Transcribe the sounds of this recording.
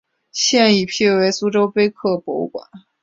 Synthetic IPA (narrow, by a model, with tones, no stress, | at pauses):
ɕjɛ˥˧ni˥˩pʰi˥˩we˧˥ɪsu˥ʈ͡ʂo˥ʊpe˥ɪkʰɤ˥˩pwɔ˧˥u˧kwa̰˨˩˦